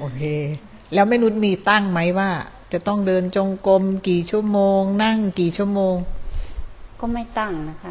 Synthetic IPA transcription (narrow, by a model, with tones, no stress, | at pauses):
ʔoː˧˩kʰeː˧ | lɛː˦˥wma˥˩nu˦˥t̪̚miː˧˩t̪a˥˩ŋma˦˥jwaː˥˩ | t͡ɕa˨˩t̪ɔ˥˩ŋdɤː˧nt͡ɕo˧ŋko˧mkiː˨˩t͡ɕʰu˥˩ɐmoː˧ŋna˥˩ŋkiː˨˩t͡ɕʰu˥˩əmoː˧ŋ | kɔː˥˩ma˥˩jt̪a˥˩ŋna˦˥kʰa˦˥